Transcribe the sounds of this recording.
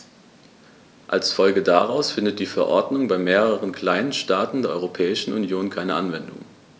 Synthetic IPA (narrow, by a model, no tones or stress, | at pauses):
ʔa̰lsfɔlɡəda̰ʁaʊsfɪndət̚d̥iːfɛɐʔɔɐdnʊŋbaɪmeːʁəʁ̞ənkʰl̥aɪnənʃtaːtn̩deːɐʔɔ̰ʁopʰɛːɪʃn̩ʔṵnjoːnkʰaɪnəʔanvɛndʊ̰ŋ